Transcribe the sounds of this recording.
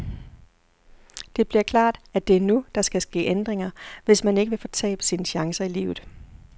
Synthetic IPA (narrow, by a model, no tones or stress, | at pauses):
d̥e̝b̥liɐkʰlɑ̰̈ːd̥æd̥e̝æɐnud̥ɑ̈sɡ̥æsɡ̥e̝̰ːʔend̥ʁeŋɐʋe̝smæne̝ɡ̥əʋe̝fɒt͡sʰɛ̰ːb̥əsinɕɑ̈ŋsɐilḭːʊð̞̩ˠ